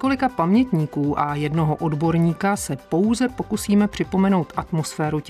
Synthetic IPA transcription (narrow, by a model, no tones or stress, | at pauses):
ko̞lɪkapamɲɛt̪ɲiːkuːʔajɛdno̞ɦoʔo̞dbo̞ɾɲiːkasɛpo̞wzɛpo̞kusiːmɛpr̝̥ɪpo̞mɛno̞wt̪ʔat̪mo̞sfɛːɾu